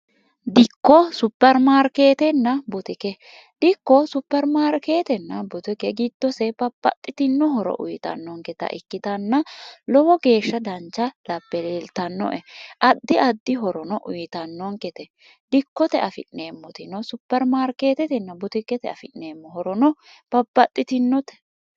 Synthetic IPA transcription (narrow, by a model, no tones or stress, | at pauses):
d̪ɪkːɔsʊpːɛɾmaːɾke̞ːt̪ɛnːɐbʊt̪ɪkɛ | d̪̥ɪkːɔsʊpːɛɾmaːɾkeːt̪ɛnːɐbʊt̪ɪkɛɡɪd̪̥ːɔsɛpɐpːɐ̰t̪ʼːɪt̪ɪnːɔɦɔɾɔ̰ʔʊjt̪ɐ̰nːɔŋkɛt̪ɐ̰ʔɪ̰kːɪt̪ɐnːɐlɔwɔɡe̞ːʃːɐd̪ɐnt͡ʃːɐlɐbːɛleːlt̪ɐnːɔ̰ʔɛʔɐd̪ːɪɐd̪ːɪɦɔɾɔnɔʔʊjt̪ɐnːɔŋkɛt̪ɛ | d̪̥ɪkːɔt̪ɛɐfɪ̰ʔne̞ːmːɔt̪ɪnɔsʊpːɛɾmaːɾke̞ːt̪ɛt̪ɛnːɐbʊt̪ɪkɛt̪ɛɐ̰fɪʔneːmːɔɦɔɾɔnɔ | b̥ɐbːɐt̪ʼːɪt̪ɪnːɔt̪ɛ̥